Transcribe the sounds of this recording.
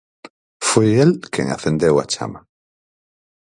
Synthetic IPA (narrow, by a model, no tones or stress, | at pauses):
fojelkʰḛ̃ŋa̰θẽnd̪ewa̰t͡ʃa̰ma